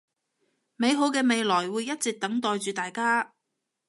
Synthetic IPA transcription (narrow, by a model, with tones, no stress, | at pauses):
me˨˧jɦo˨˥wkɛː˧me˨˧jlɔː˨˩jwuː˨˧jːɐ˥t̚t͡sɛ˨k̚t̪ɐ˨˥ŋt̪ɔː˨jt͡ʃyː˨˧t̪aː˨jkaː˥